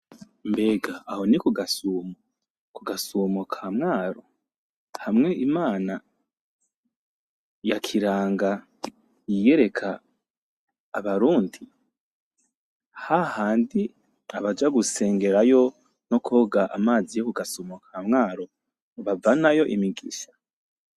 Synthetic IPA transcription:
mbe̞ɡaːho̞nikuɡasuːmo | kuɡasumokʰamŋaːɾo | hamŋe̞ʔimaːna | jakʰiɾaːŋɡa | jije̞ɾe̞kʰa | βaɾuːndi | hahaːndi | aβad͡ʒaɡuse̞ːŋɡe̞ɾajo̞ | no̞kʰo̞ːɡaʔamaːzijokuɡasuːmokʰamŋaːɾo̞ | βavanajo̞ʔimiɡiʃḁ

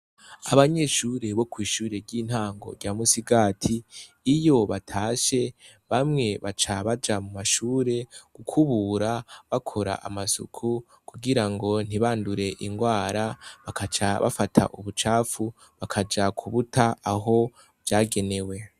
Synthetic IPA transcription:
a̰βaɲe̞ʃuːɾe̞βo̞kwiːʃuːɾe̞ɾɟiːn̥haːŋɡo̞̰ɾɟaːmusiɡaːtʰiː | jo̞βatʰaːʃe̞ | βamŋe̞βat͡ʃaβad͡ʒamumaʃuːɾe̞ɡ̥ukʰuβuːɾaβakʰo̞ɾa̰ʔamasṵkʰu | kuɡiɾaŋɡo̞n̥iβaːnduɾe̞ʔiŋɡwaːɾaβakat͡ʃaβa̰fatʰa̰ʔuβut͡ʃaːfu | βakʰad͡ʒakʰuβutʰaaɦo̞ | vjaːɡe̞ne̞we̞

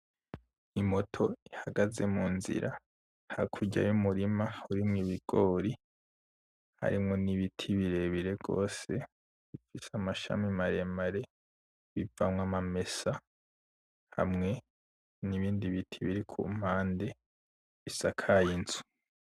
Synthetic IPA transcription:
imo̞tʰo̞ihaɡaze̞muːnzḭɾa̰ | hakʰuɟa̰jumuɾimahuɾimŋiβiɡ̥o̞ːɾi | ha̰ɾimŋo̞niβitʰiβiɾe̞βiɾe̞ɡo̞̰ːse̞ | βifisamaʃa̰mimaɾe̞maɾe̞ | βivamŋamame̞sa | ha̰mŋe̞ | niβiːndiβitʰiβiɾikʰṵm̥aːnde̞ | βisakʰajinzu̥

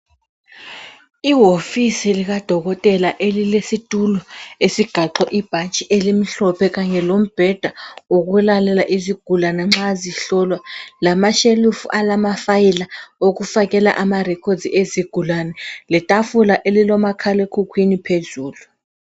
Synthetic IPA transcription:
iɦofisiliɣ̬ad̥ʱɔɣɔtʼɛlaʔelilesitʼulɔesiɡ̥ʱaǃʰɔʔib̥ʱant͡ʃʼiʔelim̩ɬɔpʰɛk̬aɲɛlom̩b̥ʱɛd̥ʱaoɣ̬ɛlalɛlaʔiziɡ̥ʱulanɛŋ͡ǁaziɬɔlwalamaʃelufṵʔalamafajilaok̬ufak̬ɛla̰ʔamarɛkʰɔdzieziɡ̥ʱulanɛlɛtʼafulaʔelilɔmakʰalɛkʰukʰwinipʰezuːlu

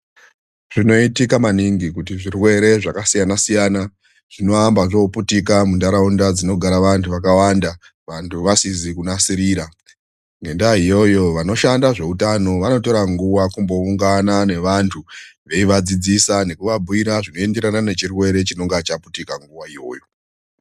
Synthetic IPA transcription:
ʐ̥ino̞itikamaniŋɡikutiʐirwe̞ɾe̞ʐakasijanasijana | ʐ̥ino̞ambaʐo̞putik̬amundaɾaundad͡zino̞ɡʱaɾaʋantʰuʋakawanda | ʋantʰuʋasizikunasiɾiːɾa | ŋɡe̞ndaɦijo̞jo̞ʋano̞ʃandaʐe̞utano̞ʋano̞to̞ɾaŋɡuwakumbo̞uŋɡanane̞ʋantʰuʋe̞iʋad͡zid͡zisane̞kuʋabʱuiɾaʐino̞e̞nde̞ɾanane̞t͡ʃirwe̞ɾe̞t͡ʃino̞ŋɡeat͡ʃaputikaŋɡuʋaijo̞̰ːjo̞

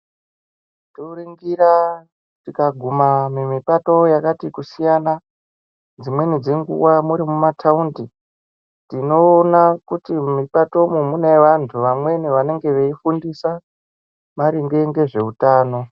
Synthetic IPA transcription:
toriŋɡira | tikaɡʱumamemipato̞jakatikusijana | d͡zimwe̞nid͡zeŋɡṵwamuɾimumatʰaundi | tino̞ːnakutimipato̞mumune̞ʋantʰuʋamwe̞niʋane̞ŋɡe̞ʋeifundisa | maɾiŋɡe̞ŋɡe̞ʐe̞utaːno̞

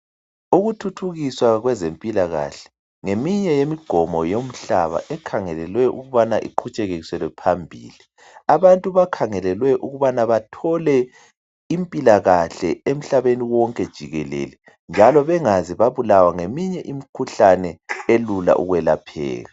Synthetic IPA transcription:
uɣutʰutʰuɣiswaɣwɛzempʼilaɣa̰ɬɛ̥ | ŋemiɲɛjemiɡ͡ǃ̥ʱɔmɔjom̩ɬa̰βa̰ʔɛkʰaŋɛlɛlwɛʔṵɣuβanaʔḭǃʰut͡ʃʼɛɣeɣiswɛlwɛpʰambʱḭːli | aβantʼuβakʰaŋɛlɛlwɛʔuɣuβanaβatʰɔlɛ | impʼilaɣaɬɛem̩ɬaβeniwɔŋkʼɛd̥ʒ̥ʱiɣɛlḛlɛ | nd͡ʒʱalɔβɛŋaziβaβulawaŋemiɲɛʔimikʰuɬanɛelula̰ʔṵɣwɛla̰pʰɛ̰ːɣa

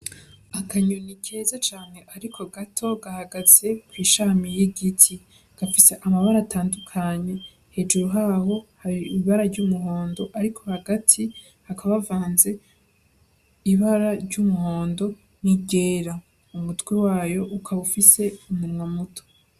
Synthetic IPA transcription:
akʰaɲunikʰe̞ːzat͡ʃaːn̥he̞ʔaɾikʰo̞ɡatʰo̞ɡahaɡaz̥e̞kwiːʃaːmijiɡitʰi | ɡ̥afise̞ʔamaβaɾaːtaːndukʰaɲe̞ | he̞ːd͡ʒuɾuɦaho̞haɾiːβaɾaɾɟumuɦo̞ːndo̞ʔaɾikʰo̞haɡatʰi | hakʰaβavaːnze̞ | iβaɾaɾɟumuho̞ːndo̞ | niɟe̞ːɾa | umutwewaːjo̞ʔukʰaβufise̞umunmwamutʰo̥

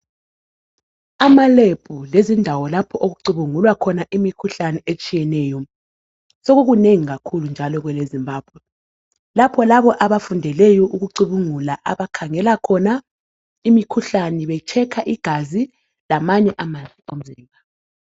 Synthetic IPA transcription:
amaleb̥ʱulezindʱawɔlapʰɔʔoɣuǀuβuŋulwakʰɔnaʔimikʰuɬanɛet͡ʃʼijɛnɛːjɔ | sɔɣuɣuneŋiɣakʰulund͡ʒʱalɔɣwɛlezimbʱaːb̥ʱwɛ | lapʰɔlaβɔʔaβafundʱɛlɛjɔʔuɣuǀuβuŋulaʔaβakʰaŋɛlakʰɔna | imikʰuɬaniβɛt͡ʃʰɛkʰaʔiɡ̥ʱazi | lamaɲɛʔamand͡zʱiom̩ziːmʱa

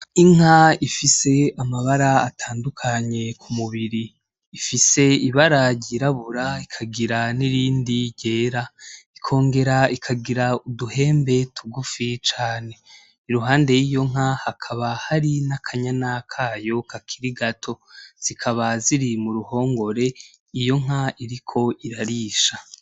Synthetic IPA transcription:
iŋ̥haifise̞amaβaɾaːtʰaːndukʰaɲe̞kʰumuβiɾiː | fise̞iβaɾaɟiɾaβuɾaikʰaɡiɾaniɾiːndiɟe̞ːɾaikʰo̞ːŋɡe̞ɾaikʰaɡiɾauduhe̞ːmbe̞tʰuɡufit͡ʃaːne̞ | iɾuɦaːnde̞jiːjo̞ŋ̥ahakʰaβahaɾinakʰaɲanakʰaːjo̞kʰakʰiɾiɡatʰo̞z̥ikʰaβaziɾimuɾuho̞ːŋɡo̞ɾe̞ | ijo̞ŋ̥aiɾikʰo̞ʔiɾaɾiːʃa

